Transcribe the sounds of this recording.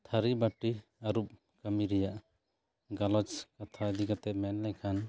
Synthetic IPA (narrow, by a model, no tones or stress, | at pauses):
t̪ʰaɾibaʈiaɾup̚ | kamiɾɛjaʔ | ɡalɔt͡ʃkat̪ʰaəd̪ikat̪ɛmɛnlɛjkʰan